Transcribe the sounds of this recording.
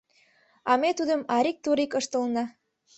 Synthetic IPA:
ɑmet̪ud̪əmɑɾik̚t̪uɾikəʃt̪ə̆lnɑ

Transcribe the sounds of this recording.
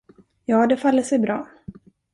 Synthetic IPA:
jɑːd̪ɛfalːəʂɛjbɾɑː

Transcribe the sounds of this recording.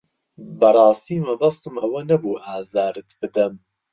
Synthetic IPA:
bɐɾˤɑːst̪iːmɐbɐst̪ɨmɐwɐnɐbuːʔaːzaːɾɨt̪bɨd̪ɐm

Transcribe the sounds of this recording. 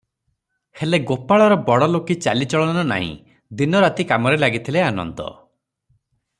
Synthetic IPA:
heleɡopaɭɔɾɔbɔɽɔlokit͡ʃalit͡ʃɔɭɔɔnɔna̰ɦḭ̃ | d̪inɔɾat̪ikamɔɾelaɡit̪ʰileanɔ̰nt̪ɔ̰

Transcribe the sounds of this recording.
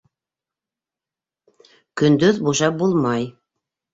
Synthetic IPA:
kɵ̆nd̪ɵðbuʃɑp̚bulˠmɑj

